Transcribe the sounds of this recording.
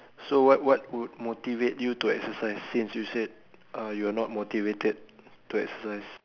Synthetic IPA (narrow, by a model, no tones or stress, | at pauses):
sowɔt̚wɔt̚wud̚motivetjutuɛksəsaɪsːĩnsjused̚ | ʔajuanɔt̚motivetəd̚tːuɛksəsaɪs